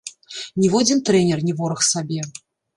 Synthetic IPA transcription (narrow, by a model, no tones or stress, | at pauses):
nʲivɔd͡zʲint̪ɾɛnʲɛrnʲivɔɾɐxsabʲɛ